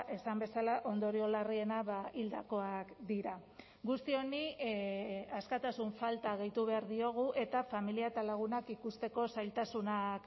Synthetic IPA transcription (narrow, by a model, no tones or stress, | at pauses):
ʔe̞sambe̞salaʔo̞nd̪o̞ɾio̞larie̞naβaild̪ako̞akd̪iɾa | ɡust̪io̞ni | askat̪asuɱfalt̪aɣ̞ejt̪uβ̞e̞aɾðio̞ɣ̞uʔe̞t̪afamiliaet̪alaɣ̞unakikust̪e̞ko̞sajlt̪asunak